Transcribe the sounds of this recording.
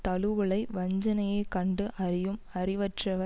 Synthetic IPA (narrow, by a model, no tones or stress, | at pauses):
t̪ɐɭɯʋɐɭɐɪʋɐɲd͡ʒɐnɐjeːkɐɳɖɯʔɐrɪjɯmɐrɪʋɐʈrɐʋɐ